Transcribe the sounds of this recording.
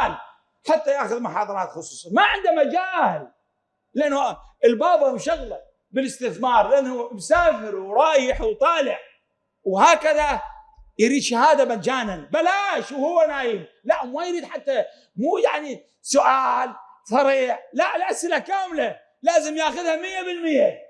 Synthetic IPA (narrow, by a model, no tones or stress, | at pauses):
l | ħat̪ːajaːxʊðmʊħɑːðˤɑɾˤɑːt̪xʊsˤuːsˤɑnmaʕɪnd̪amad͡ʒaːl | lːɪʔɪnːʊɪlbɑːbhwʃaɣla | bɪlɪst̪ɪθmɑːɾˤlɪʔɪnːhumsaːfɪɾwɾˤɑːjɪħwt̪ˤɑːlɪʕ | whaːkaðajɾiːd̪ʃahaːd̪aband͡ʒaːnanbalaːʃwhʊwːanaːjim | laʔmajɾiːd̪ħat̪ːa | muːjaʕni | sʊʔaːlsˤɑɾiːʕlaʔlʔasʔɪlakaːmla | laːzɪmjaːxʊðhamɪjːabɪlmɪjːa